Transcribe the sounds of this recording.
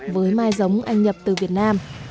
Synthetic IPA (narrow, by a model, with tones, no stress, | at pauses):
vəː˨˦jmaː˧jzə˨˦wŋ͡mʔa˧jŋ̟ɲə˨˩p̚t̪ɨ˨˩vi˨˩ət̚naː˧m